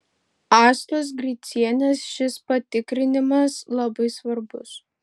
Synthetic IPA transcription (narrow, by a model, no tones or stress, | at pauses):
ɑːslʲˠos̬ɡɾʲit̪sʲiɛnʲɛsʃʲɪspɐt̪ʲɪkɾʲɪnʲɪmɐslˠɐbɐɪsʋɐɾbʊs